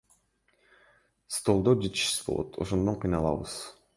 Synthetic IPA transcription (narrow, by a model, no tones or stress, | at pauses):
st̪o̞lˠd̪od͡ʒet̪i̥ʃi̥sbo̞̰lˠo̰t̪ʰo̞̰ʃond̪oɴqʰijnɑlˠɑ̰βɯ̰z̥